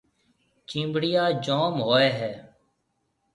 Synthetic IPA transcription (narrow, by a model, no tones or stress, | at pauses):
t͡ʃĩːmbɽɪjaːd͡ʒoːmɦoːeːɦɛː